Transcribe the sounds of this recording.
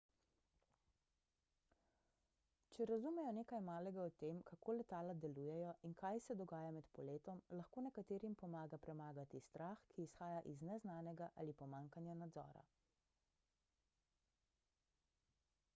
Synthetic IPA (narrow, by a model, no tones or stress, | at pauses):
t͡ʃɛɾazumɛjɔneːkajmaːlɛɡaɔt̪eːmkakʰoːlɛt̪aːlad̪ɛlujɛjɔʔinkajsɛd̪ɔɡaːjamɛt̪pɔleːt̪ɔmlaxkoːnɛkat̪eːɾimpɔmaːɡapɾɛmaːɡat̪ist̪ɾaːxkʰiːsxaːjaʔiznɛznaːnɛɡaʔa̰lipɔmaːŋkanjanad̪zɔ̰ːɾa̰